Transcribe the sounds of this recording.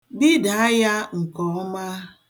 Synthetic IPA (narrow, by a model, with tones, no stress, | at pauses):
bi˦da˦ja˦ŋ̩˨kɔ˨ɔ˦ma˦